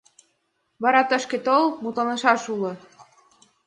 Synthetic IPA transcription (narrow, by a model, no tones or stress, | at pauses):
βɑɾɑt̪ə̆ʃket̪olmut̪ɑnɤ̆ʃɑʃulɤ̆